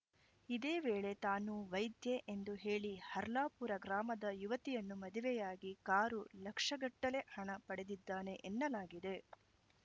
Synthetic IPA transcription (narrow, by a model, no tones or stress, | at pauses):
id̪eːʋeːɭe̞t̪aːnuʋɐjd̪jeʔend̪uɦe̞ːɭihɐɾlaːpuɾɐɡɾaːmɐd̪ɐjuʋɐt̪ijɐnːumɐd̪ʱiʋɛjaːɡikaːɾulɐkʂɐɡɐʈːɐle̞hɐɳɐpɐɽe̞d̪id̪ːaːne̞ʔenːɐlaːɡid̪e̞